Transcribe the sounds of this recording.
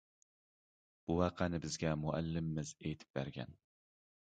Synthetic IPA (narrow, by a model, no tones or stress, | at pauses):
b̥ʊwɑqʰɑnɪbɪzɡʲamʊʔa̰lːɪmːɪzet̪ʰɪ̥p̚beɾɡʲa̰n